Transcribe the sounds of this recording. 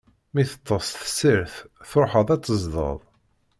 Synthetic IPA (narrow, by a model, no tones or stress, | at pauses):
miθə̥t̪ˤːəsˤθə̥sːəɾθθoħəðˤæt͡sːəzðˤə̰ðˤ